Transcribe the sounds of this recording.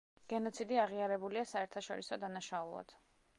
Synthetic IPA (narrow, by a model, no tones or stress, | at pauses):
ɡ̥ɛnɔt̪sʰid̪iaʁiaɾɛbuliasaɛɾt̪ʰaʃɔɾisɔd̪anaʃaulˠa̰d̪̥